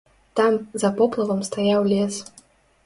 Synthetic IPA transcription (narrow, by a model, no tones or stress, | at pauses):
t̪amzɐpɔplˠɐvɐmst̪ajawlʲɛs